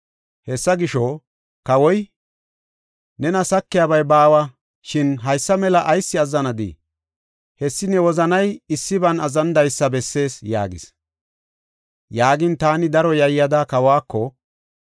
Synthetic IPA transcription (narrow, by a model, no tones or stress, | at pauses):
hɛsːɐɡɪʃɔ | kɐwɔj | nɛnɐsɐkːɪjaːbɐjbaːwɐ | ʃɪnɦɐjsːɐmɛlɐʔɐjsːɪɐzːɐnɐd̪ḭ | hɛsːɪnɛwɔzɐnɐjɪsːɪbɐnɐzɐnd̪ɐjsːɐbɛsːe̞ːsja̰ːɡɪ̰s | jaːɡɪnt̪aːnɪd̪ɐɾɔjɐjːɐd̪akɐwaːkːɔ